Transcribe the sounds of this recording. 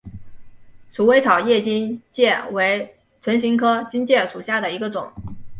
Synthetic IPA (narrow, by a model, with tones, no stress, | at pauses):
ʂu˨˥we˧˥ɪt͡sʰɑ˨˩ʊjɛ˥˩t͡ɕi˥nt͡ɕjɛ˥˩we˧˥ɪ | t͡sʰwə˧˥nɕi˧˥ŋkʰɤ˥t͡ɕi˥nt͡ɕjɛ˥˩ʂu˨˩ɕja˥˩d̪ə˩i˧˥ɡə˧ʈ͡ʂʊ˨˩˦ŋ